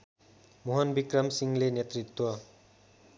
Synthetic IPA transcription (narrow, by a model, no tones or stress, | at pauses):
moɦʌnbikrʌmsiŋlenjet̪rit̪wʌ